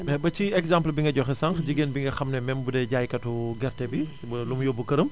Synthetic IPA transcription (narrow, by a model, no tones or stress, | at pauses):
ɛbɐt͡ʃiɛkzãmplbiŋɡɐɟɔxɛsaŋxɟiɡeːnbiŋɡɐxɐmnɛmɛmbudɛɟaːjkɐtuɡɛɾtɛbi | bɐlumjɔbukɐɾəm